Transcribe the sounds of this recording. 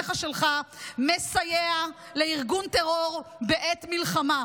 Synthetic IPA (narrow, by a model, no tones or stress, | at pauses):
χaʃelχame̞sajea | leiʁɡunt̪eʁo̞ʁbeʔet̪milχama